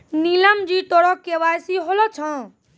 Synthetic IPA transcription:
niləmd͡ʒit̪oɽɔkeʋajsiɦolɔt͡ʃʰə̃

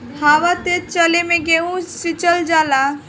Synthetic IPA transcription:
haːʋat̪et͡ʃəlemẽɡeũsit͡ʃəld͡ʒala

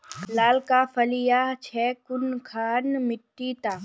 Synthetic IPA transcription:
laːlkafʰɐlijat͡ʃʰɛːkʊnkʰaːnmɪʈːit̪aː

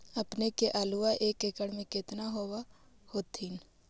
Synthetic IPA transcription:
əpnekeʔaːluaʔeːkekəɽmẽkɪt̪naɦoːwa | hoːt̪in

